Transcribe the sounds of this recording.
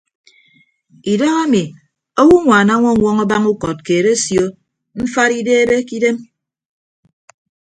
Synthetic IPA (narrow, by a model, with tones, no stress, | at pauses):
i˨dɔ˦ɣa˦mi˨ | o˦wu˦ŋʷaː˨na˦ŋʷɔ˦˨ŋʷɔ˦ŋɔ˦ba˦ŋu˦kɔ˨t̚keː˨ɾe˦sjo˦ | m̩˦fa˦ɾi˦deː˦e˦be˦ki˦de˦m